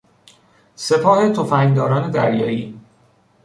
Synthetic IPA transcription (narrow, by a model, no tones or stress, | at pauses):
se̞pʰɒːhe̞t̪ʰofæŋd̪ɒːɾɒːne̞d̪æɾjɒːiː